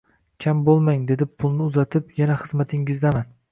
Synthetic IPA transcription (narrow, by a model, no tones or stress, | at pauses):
kʲʰambolˠmaŋd̪e̞d̪ɪpʰʊlˠnɪʊzat̪ʰɪpjanaχɨzmat̪ʰɪŋɪzd̪aman